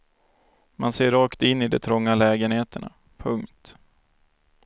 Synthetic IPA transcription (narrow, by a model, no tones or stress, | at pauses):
manseːɾɑːkt̪ɪnːɪd̪ɛ̰t̪ʰɾɔŋːalɛːɡənheːt̪ʰəɳa̰ | pʰɵŋkt̪